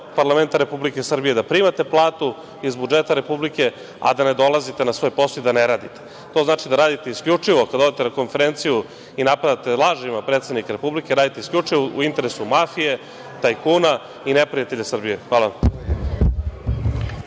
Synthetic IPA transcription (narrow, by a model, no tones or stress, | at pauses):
paɾlˠame̞nt̪aɾe̞publike̞sr̩bije̞d̪apɾimat̪e̞plˠaːt̪u | izbud͡ʒet̪aɾe̞publike̞ | a̰d̪ane̞d̪o̞lˠazit̪e̞nasʋo̞ːjposojd̪ane̞ɾaːd̪it̪e̥ | t̪oznaːt͡ʃid̪aɾaːd̪it̪e̞iskʎʲut͡ʂiʋokad̪aod̪et̪enako̞nfeɾent̪siju | inapad̪at̪e̞lˠaːʒimapɾet̪sed̪nikaɾe̞publike̞ɾaːd̪it̪eiskʎʲut͡ʂiʋoṵint̪e̞ɾesumafije̞ | t̪ajkuːna | inepɾijat̪e̞ʎasr̩bije̞xʋaːla